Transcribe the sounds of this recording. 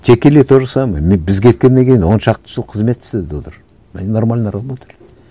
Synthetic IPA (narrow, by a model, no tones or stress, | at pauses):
t̪ʰekʲːelet̪ʰoʒɑsɑmɑmebɪzɡʲʰet̪̚kʲe̞nːeŋkʲʰejinwo̞nʃɑqt̪ə̥ʃolˠqʰəzme̞t̪sd̪eed̪ot̪əɾ | mæ̰nenoɾmalʲnɑɾalˠbot̪ʰelʲ